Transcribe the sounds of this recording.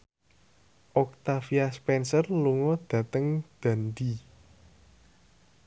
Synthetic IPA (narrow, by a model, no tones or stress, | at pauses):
ʔɔk̚t̪afiaspɛnsərluŋɔd̪̥ä̤t̪əŋd̪̥a̤nd̪i